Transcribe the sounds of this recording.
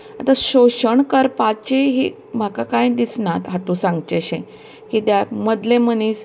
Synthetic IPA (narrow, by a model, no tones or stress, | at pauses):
at̪aɕoɕəɳkəɾpat͡ɕiɦi | m̤akakãjd̪isnat̪ɦat̪ũsãŋɡt͡ɕeɕẽ | kid̪jak̚məd̪lẽməniːs